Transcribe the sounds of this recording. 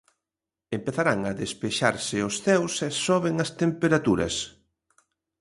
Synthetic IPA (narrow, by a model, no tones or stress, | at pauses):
empeθaɾaŋɐðespeʃaɾsɪʊsθɛwsɛsɔβeŋɐst̪empeɾat̪uɾɐ̰s